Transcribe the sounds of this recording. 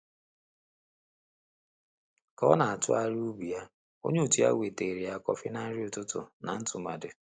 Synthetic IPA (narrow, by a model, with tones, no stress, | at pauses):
kɔ˦na˨a˨tʊ̰˦a˦˨ɾu˦bi˨a˦ | o̰˦ɲe˦u˦˨ti˦a̰˦wʷe˨te˨ɾi˨a˨kɔ˦fɪ˦na˦n̩˦ɾi˦ʊ˨tʊ˦tʊ̰˨na˨n̩˦tʊ˨ma̰˨dɪ˨